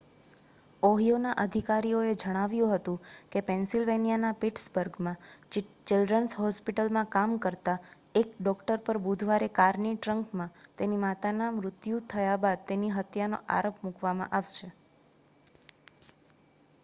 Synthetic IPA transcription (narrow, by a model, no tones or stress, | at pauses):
oɦijonaʔəd̪ʱikaɾijoed͡ʒəɽ̃aʋjũɦət̪ũkepɛnsilʋenijanapiʈsbəɾɡmã | t͡ʃɪlɖɾənsɦɔspiʈəlmãkamkəɾt̪a | ekɖɔkʈəɾpəɾbud̪ʱʋaɾekaɾniʈɾəŋkmãt̪enimat̪anamɾʊt̪jũt̪ʰəjabad̪̚t̪eniɦət̪jano̰ʔa̰ɾopmukʋamã̰ʔaʋʃe